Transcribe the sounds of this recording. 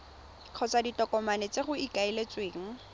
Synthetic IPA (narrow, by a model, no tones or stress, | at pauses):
q͡χʰɔt͡saditɔkɔmanet͡seχʊikailet͡sweːŋ̩